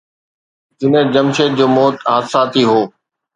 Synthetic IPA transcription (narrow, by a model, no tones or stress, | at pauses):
d͡ʑɪnəd͡ʑəmʃeːt̪̚d͡ʑoːmɔːt̪ɦaːd̪saːt̪ʰiːɦoː